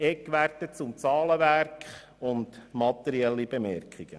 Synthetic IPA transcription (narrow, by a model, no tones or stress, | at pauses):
ɛkʋærtət͡sʊmt͡sɑːləʋæɾkχ | ʊndmɑt̪ɛɾiɛlːibemɛɾkʰχiɡ̥ə